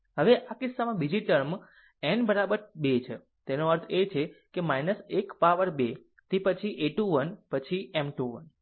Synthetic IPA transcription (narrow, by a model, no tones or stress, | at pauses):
ɦəʋeʔakɪsːamãbid͡ʒiʈəɾm | enbəɾabəɾbet͡ʃʰe | t̪enoəɾt̪ʰet͡ʃʰekemajnəsekpaʋəɾbe | t̪epət͡ʃʰiʔeʈuʋənpət͡ʃʰiɛmʈuʋə̰n